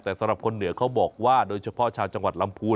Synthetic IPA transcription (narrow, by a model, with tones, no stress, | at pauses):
t̪ɛː˨˩sa˨˦mɾa˨˩p̚kʰo˧nːɯ˩˦ɐkʰa˦˥wbɔː˨˩k̚waː˥˩doː˧jt͡ɕʰa˧pʰɔ˦˥t͡ɕʰaː˧wt͡ɕa˧ŋwa˨˩t̪̚la˧˥mpʰuː˧